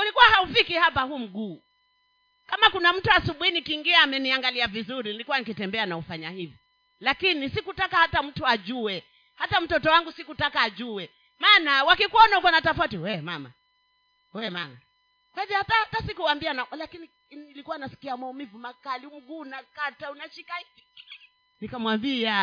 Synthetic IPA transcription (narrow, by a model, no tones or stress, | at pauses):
ulikuwahaufikihapahuːm̩ɡuː | kamakunam̩tuasuɓuhinikiːŋɡiaːmɛniaŋɡaliavizuɾinilikuwanikitɛmbɛanaufaɲahivjɔ | lakinisikutakahatam̩tuaʄuwɛ | hatam̩tɔtɔwaŋɡusikutakaːʄuɛ | maːnawakikuɔnahukɔnatafautiwɛmama̰ | wɛmama | kwahivjɔhatahatasikuwambianalakini | nilikuwanasi̥kiamaumivumakaliŋɡunakataunaʃikaivi | nikamwambia